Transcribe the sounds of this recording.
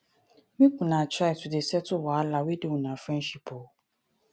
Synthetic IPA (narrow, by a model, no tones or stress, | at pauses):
mĩkũnãtʰɾaɪtʰʊdesɛtʰʊwɔalawedewũnãfɾɛ̃nʃipʰo